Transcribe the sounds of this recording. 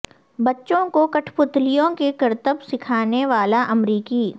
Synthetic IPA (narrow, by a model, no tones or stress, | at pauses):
bɐtːʃõkokɐʈʰpʊt̪lijõkekɐɾt̪əbsɪkʰaːneʋaːlaʔɐmɾiːkiː